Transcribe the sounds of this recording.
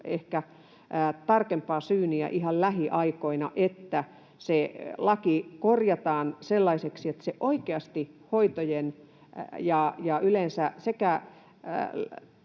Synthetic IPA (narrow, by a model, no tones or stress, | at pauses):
ehkæ | t̪ɑrkempɑːsyːniæ̰ʔihɑllæhiʔɑikoinɑ̰ʔet̪ːæ | selɑkikorjɑt̪ɑːnselːɑiseksiet̪seʔoikeɑst̪ihoit̪ojen | jɑjɑylensæsekæ